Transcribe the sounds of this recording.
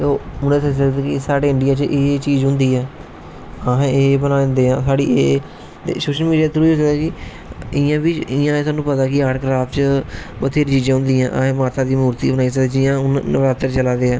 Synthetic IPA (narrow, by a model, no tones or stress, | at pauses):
oːʊnẽːsəd͡ʒaːt̪aːkɪsaːɽeːɪɳɖɪjaːt͡ʃʔeːt͡ʃiːd͡ʒɦʊ̃nd̪iːɛː | aɦẽeːbənaːnd̪eːãːsaːɽḭːeː | t̪ḛːsoːʃəlmiːɖijaːt̪əɾuid͡ʒ̪aːkɪ | ɪjãːbit͡ʃɪjãːeːsaːnːũːpət̪aːkɪaːɖkɾaːpʰt͡ʃpət̪ʰeːɾt͡ʃiːd͡ʒãːɦʊ̃nd̪iːãːʔa̰ɦẽːmaːɾt̪aːd̪iːmuːɾt̪iːbənaːiːs̬əed͡ʒɪːãːʊnɾaːt̪əɾt͡ʃəlaːd̪eːãː